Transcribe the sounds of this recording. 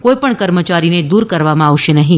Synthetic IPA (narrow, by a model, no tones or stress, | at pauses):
koipəɳkəɾmət͡ʃaɾined̪uɾkəɾʋamãaʋʃenəɦĩ